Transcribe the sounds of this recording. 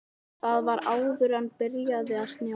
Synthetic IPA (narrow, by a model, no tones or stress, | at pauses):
θaðvaɾaːwvʏɾanpɪɾjaðɪaðst̪nja